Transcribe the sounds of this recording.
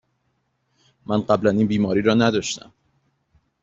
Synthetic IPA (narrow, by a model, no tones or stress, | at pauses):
mænɢæblæniːnbiːmɒːɾiːɾɒːnæd̪ɒʃt̪æ̰m